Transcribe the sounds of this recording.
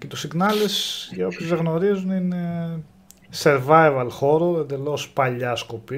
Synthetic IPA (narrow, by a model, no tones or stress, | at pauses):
ce̞t̪usiɡnɐlesʝɐopçozðeɣno̞ɾizunine̞ | seɾvɐjvɐlxo̞ɾo̞end̪e̞lo̞spɐʎɐsko̞pi